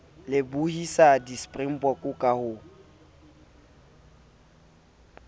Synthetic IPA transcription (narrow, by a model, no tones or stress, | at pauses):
lɪbuhisadispʼrim̩pʼɔkʼʊkʼahʊ